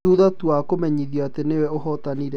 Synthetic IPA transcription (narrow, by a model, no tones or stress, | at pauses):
uðatuwakomɛɲiðjɔatenewɛoɦɔt̪aniɾ